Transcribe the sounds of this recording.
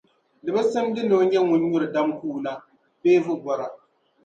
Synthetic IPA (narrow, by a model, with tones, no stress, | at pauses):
dɨ˨ba˦sɨ˦mdɨ˦no˨˦ɲɛ˦ŋʊ˨ɲ˦ɲʊ˦ɾɨ˨da˦mkuː˦˨na˦ | beː˦vʊ˦ɡɔ˨ɾa˨